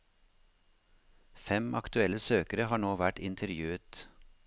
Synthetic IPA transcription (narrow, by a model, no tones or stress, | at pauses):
fɛmʔɑ̰kt̪ʉɛləsøːkəɾəhɑːɳoːʋæʈɪnt̪ʰəɾjʉːət̪